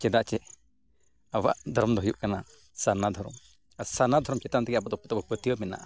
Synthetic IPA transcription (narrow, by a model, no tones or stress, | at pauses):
t͡ʃɛd̪aʔt͡ʃɛ | awa̰ʔd̪ʱɔɾɔmd̪ɔɦɔjuʔ̚kana | sanad̪ʱɔɾɔ̰m | asanad̪ʱɔɾɔmt͡ʃɛt̪amnt̪ɛkɛabɔt̪ɔpɔt̪ɔbɔpət̪ijɔmɛna̰ʔa